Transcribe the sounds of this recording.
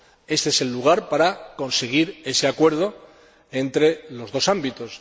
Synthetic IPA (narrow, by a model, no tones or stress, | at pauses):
e̞st̪eese̞lːuɣ̞aɾpaɾako̞nse̞ɣ̞iɾe̞se̞akwe̞ɾð̞o̞ | e̞nt̪ɾe̞lo̞zðo̞sambit̪o̞s